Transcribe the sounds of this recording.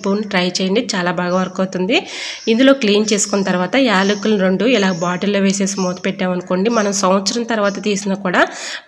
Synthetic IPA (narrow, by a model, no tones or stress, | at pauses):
puːnʈɾɐjt͡ʃejɐɳɖit͡ʃaːlaːbʱaːɡaʋɐɾɐkɐwt̪und̪iind̪ulo̞ːkliːnt͡ʃe̞ːsu̥kɔnɐt̪ɐɾuʋaːt̪ɐjaːlukːulɾoɳɖuilaːɡɐbaːʈɐlːoːʋeːse̞ːsimot̪u̥pɛʈːaːmɐnuko̞ːɳɖimɐnɐmsɐwʋɐt̪sɐɾɐnɐt̪ɐɾuʋaːt̪ɐt̪iːsinaːkuːɽaː